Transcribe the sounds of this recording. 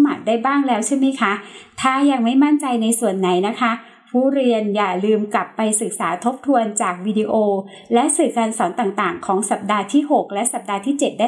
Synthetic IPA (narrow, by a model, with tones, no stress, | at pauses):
maː˨˩t̪̚daː˥˩jbaː˥˩ŋlɛː˦˥wt͡ɕʰe˥˩ma˦˥jkʰa˦˥t̪ʰaː˥˩ja˧ŋma˥˩jma˥˩nt͡ɕa˧jna˧jsu˨˩ənːa˩˦jna˦˥kʰa˦˥ | pʰuː˥˩ɾi˧ənjaː˨˩lɯː˧mkla˨˩pːa˧jsɯ˨˩k̚saː˩˦t̪ʰo˦˥p̚t̪ʰu˧ənt͡ɕaː˨˩k̚wiː˧di˧ʔoː˧ | lɛ˦˥ʔsɯː˨˩kaː˧nsɔː˩˦nt̪aː˨˩ŋt̪aː˨˩ŋkʰɔː˩˦ŋsa˨˩p̚daː˧t̪ʰiː˥˩ɦo˨˩k̚lɛ˦˥ʔsa˨˩p̚daː˧t̪ʰiː˥˩t͡ɕe˨˩t̪̚da˥˩